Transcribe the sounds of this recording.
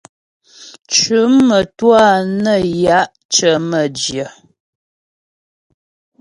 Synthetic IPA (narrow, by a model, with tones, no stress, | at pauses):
t͡ʃʉ˨˦mmə˨twa˦˨nə˦˨ja˨˦ʔ | t͡ʃə˨˦mə˨d͡ʒjə˨